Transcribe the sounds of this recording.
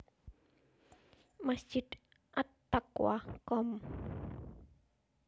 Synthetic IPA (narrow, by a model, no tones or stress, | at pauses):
masd͡ʒ̥id̪ | ʔat̪ː | akwa̰kɔm